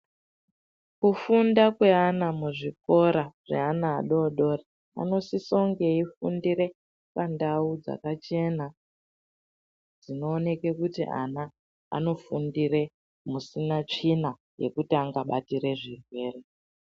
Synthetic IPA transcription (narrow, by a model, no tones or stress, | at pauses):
kufundakwe̞anamuʐik̚o̞ɾaʐe̞̰ana̰ːɗo̞ɗo̞ri | a̰no̞siso̞ŋɡe̞ifundiɾe̞ | pandaud͡za̰kat͡ʃe̞na | d͡zino̞ːne̞ke̞kutḭʔa̰na̰ː | no̞fundire̞ | musinat͡ʂina | je̞̰kutiaŋɡaɓatiɾe̞ʐirwe̞ːre